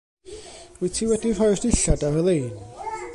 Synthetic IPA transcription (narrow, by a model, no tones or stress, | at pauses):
witʰiːwɛdivɔjrdɪɬadavəlˠejn